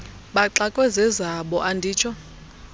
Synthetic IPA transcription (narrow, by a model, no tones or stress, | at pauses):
ɓaǁakʼwɛzɛzaɓɔʔandʱiːt͡ʃʰɔ